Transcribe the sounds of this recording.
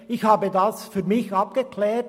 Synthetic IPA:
ɪçhaːbədasfyːmɪçɑp̚ɡ̥əkʰlɛːt

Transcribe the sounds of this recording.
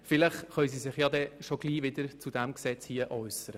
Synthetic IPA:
fɪlɪχχœɥs̬iːsɪχjɑd̪ɛʃoɡ̥liːvɪd̪əɾt͡sud̥̪æmksɛt͡shiəʔœʏsəɾə

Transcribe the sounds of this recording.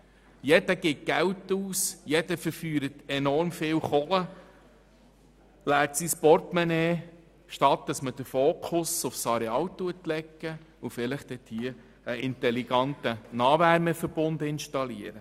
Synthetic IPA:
jɛdəɡɪt̚ɡ̥æwtuːsjɛd̥əfəɾfyːɾətɛnɔɾmfɪːwχɔlə | læːtsispɔrtmɛneː | ʃtɑt̚ːd̥ɑsməd̥əfoːkʰʊsʊfsɑɾeɑːwtːuətlɛkːəufɪlɪχd̥̪ɛt̪hiə | əɪnt̪ɛliɡ̥ɑnt̪ənɑːʋæɾməfəɾb̥ʊnd̪ɪnʃtɑliəɾə

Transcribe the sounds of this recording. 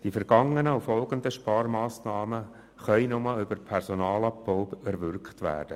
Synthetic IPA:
d̥ifɛɾɡ̥ɑŋənəʊfɔlɡənd̪əʃpɑːɾmɑːsnɑːmə | χœʏnʊmɑʏbəɾpʰɛɾsɔnɑːlɑpbɔʊbɛɾʋʏɾkχtʋæ̰ːd̥ə

